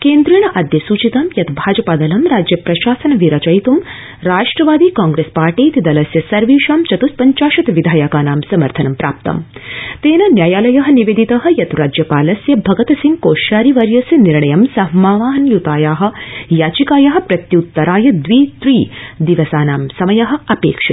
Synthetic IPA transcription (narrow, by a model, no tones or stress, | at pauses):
keːnd̪ɾijɳ̃ɐʔɐd̪jɐsuːt͡ʃit̪ɐmjɐt̪bʱaːd͡ʒɐpaːd̪ɐlɐmɾaːd͡ʒjɐpɾɐʃaːsɐnɐʋiɾɐt͡ʃɐjt̪um | ɾaːʂʈɾɐʋaːd̪iːkaːŋɡɾespaːɾʈiːt̪id̪ɐlɐsjɐsɐɾʋiːʃaːmt͡ʃɐt̪uspɐɲt͡ʃaːʃɐt̪ʋid̪ʱaːjakaːnaːmsɐmɐɾt̪ʰɐnɐmpɾa̰ːp̚t̪ɐ̰mt̪eːnɐnjaːjaːlɐjɐɦɐ̆niʋeːd̪it̪ɐɦɐ̆jɐt̪ɾaːd͡ʒjɐpaːlɐsjɐbʱɐɡɐt̪ɐsiŋɡkoːʃaːɾiʋɐɾjɐsjɐniɾɳɐjɐmsɐɦmaːʋaːɦɐnjut̪aːjaːɦɐ̆jaːt͡ʃikaːjɐɦɐ̆pɾɐt̪jɐut̪ːɐɾaːjɐd̪ʋiːt̪ɾiːd̪iʋɐsaːnaːmsɐmɐjɐɦɐ̆ɐpeːkʂɐt̪